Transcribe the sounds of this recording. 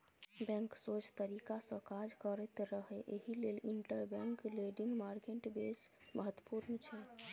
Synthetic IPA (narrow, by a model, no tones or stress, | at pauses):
bɛ̃ŋksot͡ʃt̪əɾikasə̃kad͡ʒkəɾɛt̪ɾəɦɛʔeɦileliɳʈəɾbɛ̃ŋkleɖĩŋɡmaɾkeʈbes | məɦət̪wəpuɾmet͡ʃʰɛ